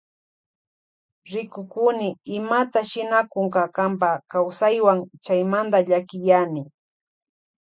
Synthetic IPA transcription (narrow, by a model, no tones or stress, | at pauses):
ɾɪkʊkʊnɪɪmat̪aʃɪnakʊŋkakampakawsajwaŋt͡ʃajmand̪aʎakɪjanɪ